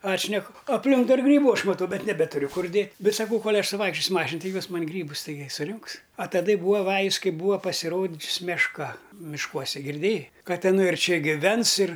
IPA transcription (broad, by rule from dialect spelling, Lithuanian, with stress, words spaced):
ˈɑːtʲʃʲnʲɛkʊ ɐpʲˈlʲɪŋk dɐr ˈɡrʲiːbʊ ˈɐʃ mɐˈtɐʊ ˈbʲɛt nʲɛˈbʲæːtʊrʲʊ ˈkʊr ˈdʲeːtʲ ˈbʲɛt sɐˈkɐʊ ˈkoːlʲ ˈɐʃ sʊˈʋɐɪkʃʲt͡ʃʲoːsʲʊ ˈmɑːʃʲɪn ˈtʲɪ ˈjoːs ˈmɐnʲ ˈɡrʲiːbʊs tɐɪˈɡʲɪ sʊˈrʲʊŋks ɐ tɐˈdɐ ɪ ˈbuːɐ ˈʋɑːjʊs ˈkɐɪ ˈbuːɐ pɐsʲɪˈroːd͡ʒʲʊs mʲɛʃˈkɐ mʲɪʃˈkuɔsʲɛ ɡʲɪrʲˈdʲeːjɛɪ ˈkɐt ɪˈnɐɪ ɪr ˈt͡ʃʲɛ ɡʲɪˈʋʲɛns ɪr